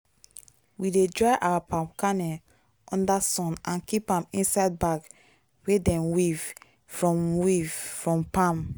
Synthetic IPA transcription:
widedɹaɪʔawapãmkanɛ | ʔɔ̃ndasɔ̃nãnkipãmĩnsaɪd̚bak | wedɛ̃nwiv | fɹɔ̃mwiv̥fɹɔ̃mpãm

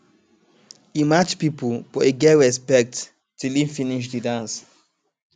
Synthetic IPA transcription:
imat͡ʃpipəfɔeɡɛɹɛspɛk̚t | tilifiniʃ̬didãns

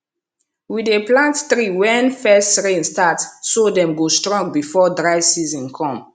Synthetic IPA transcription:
wideplãnttɹiwɛ̃nfɛstɹẽnstatsodɛ̃mɡostɹɔ̃ŋɡ̚bifɔdɹaɪsizɔ̃nkʰɔ̃m

